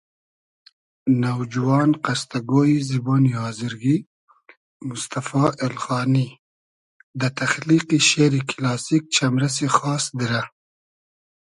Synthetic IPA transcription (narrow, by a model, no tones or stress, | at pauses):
nawd͡ʒuwɑːnqast̪aɡoːiziboːnihɑːziɾɡi | mʊst̪afɑʔɪlxɑːni | d̪ət̪axliqiʃeɾiklɑːsik̚t͡ʃamɾas̬exɑːsd̪iɾa